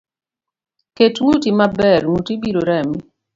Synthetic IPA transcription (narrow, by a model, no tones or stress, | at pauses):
ketŋutimabɛɾŋutibiɾoɾami